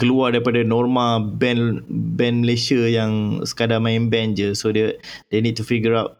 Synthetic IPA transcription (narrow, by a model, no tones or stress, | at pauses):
kəluardaɾipadanɔrmãbɛnbɛ̃nməlesiajãŋsə̥kadamãĩmbɛ̃nd͡ʒəsodədenid̚tufiɡəɾawt̚